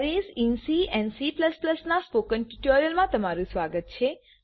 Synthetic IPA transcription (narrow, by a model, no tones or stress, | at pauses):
ɾesinsiɛnsipləspləsnaspokənʈuʈoɾijəlmãt̪əmaɾũsʋaɡət̪̚t͡ʃʰe